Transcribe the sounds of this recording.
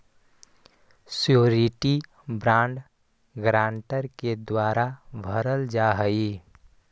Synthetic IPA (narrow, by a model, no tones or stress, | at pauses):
sjoɾiʈi | bɾãːɳɖ | ɡɾãːɳʈəɾked̪waːɾabʱəɾəld͡ʒaɦəi